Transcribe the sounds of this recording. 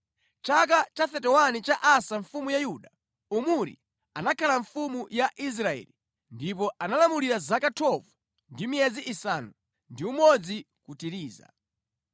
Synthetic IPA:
t͡ʃak̬at͡ʃaθɛtɛwanit͡ʃaʔasaɱfumujajuɗa | umuɾḭ | anakʰalaɱfumujaʔis̬ɾaɛ̰li | ndipɔanalamuliɾazakatʰɔvu | ndimiɛziʔisanu | ndiumɔd͡zi | kutiɾiːza̰

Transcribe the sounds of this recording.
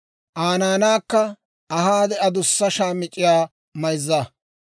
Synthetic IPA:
ʔaːnaːnaːkːɐ | ɐhaːd̪ɛɐd̪ʊsːɐʃaːmɪt͡ʃʼːɪjaː | mɐjzːa

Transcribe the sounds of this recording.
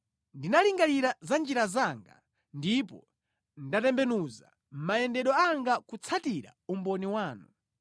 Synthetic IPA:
ndinaliŋɡaliɾazand͡ʒiɾazaŋɡa̰ | ndipɔ | ndatɛmbɛnuza̰ | m̩majɛndɛɗɔaŋɡakut͡sʰatiɾa̰umbɔniwaːnu

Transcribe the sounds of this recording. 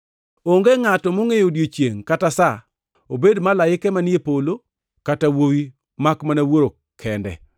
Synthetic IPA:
oŋɡeŋatɔmoŋejodjot͡ʃjeŋkatasa | obedmalajɪkɛmanjepolo | katawowi | makmanawoɾo | kʰɛndɛ̰

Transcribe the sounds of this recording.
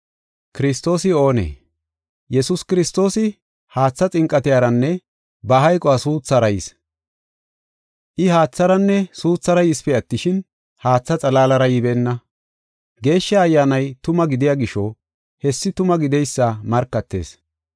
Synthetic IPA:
kɪɾɪst̪o̞ːsɪo̞ːnḛː | jɛsʊskɪɾɪst̪o̞ːsɪ | haːt͡sːɐt͡sʼɪŋkʼːɐt̪ɪjaːɾɐnːɛ | bɐɦɐjkʼɔasuːt͡sːɐɾɐjɪ̰s | ʔɪhaːt͡sːɐɾɐnːɛsuːt͡sːɐɾɐjɪspɛɐt̪ːɪʃɪn | haːt͡sːɐt͡sʼɐlaːlɐɾɐjɪbɛːnːɐ | ɡe̞ːʃːɐɐjːaːnɐjt̪ʊmɐɡɪd̪ɪjaːɡɪʃɔ | hɛsːɪt̪ʊmɐɡɪd̪ɛjsːɐmɐɾkːɐt̪ːe̞̰ːs

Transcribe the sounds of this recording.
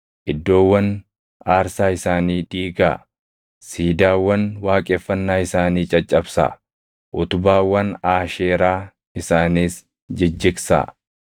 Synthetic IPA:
ʔɪd̪ːo̞ːwːɐn | aːɾsaːɪsaːniːd̪̥iːɡa̰ː | siːd̪aːwːɐnwaːkʼeːfːɐnːaːɪsaːniːt͡ʃʼɐt͡ʃʼːɐbsa̰ | ʔʊt̪ʊbaːwːɐnaːʃeːɾaː | ɪsaːniːs | d͡ʒɪd͡ʒːɪksa̰

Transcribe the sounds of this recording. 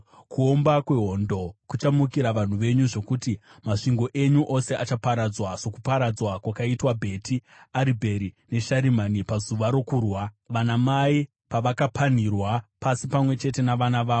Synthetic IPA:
kuo̞mbakwe̞ɦo̞ndo̞kut͡ʃamukiɾaʋan̤uʋe̞ɲuʐo̞kuti | maʂiŋɡo̞ʔe̞ɲuʔose̞at͡ʃapaɾad͡zwaso̞kupaɾad͡zwakwakaitwabʱe̞tʰi | aɾibʱe̞ɾine̞ʃaɾimanipazuʋaɾo̞kuːrwa | ʋanamai | paʋakapʰan̤irwapasipamwe̞t͡ʃe̞te̞naʋanaʋaːo

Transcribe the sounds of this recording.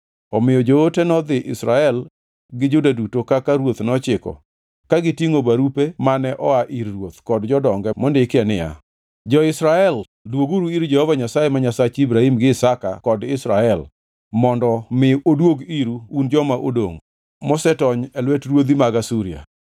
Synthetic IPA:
ɔmɪjɔd͡ʒootenɔd̪ɪʔɪsɾaɛl | ɡɪd͡ʒodadutokakaɾwot̪nɔt͡ʃɪkɔ̰ | kaɡɪtiŋobaɾupemanɛʔɔaʔiɾɾwot̪kɔdd͡ʒɔdɔŋɡɛmɔndɪkɛnɪja̰ | d͡ʒɔɪsɾaɛl | dwoɡuɾuiɾd͡ʒɛhɔvaɲasajemaɲasat͡ʃibɾahimɡɪsaka̰kɔdɪsɾaɛl | mɔndɔmɪodwoɡiɾuund͡ʒɔmaʔo̰do̰ŋ | mɔsɛtɔɲɛlwɛtɾwod̪imaɡasuɾia̰

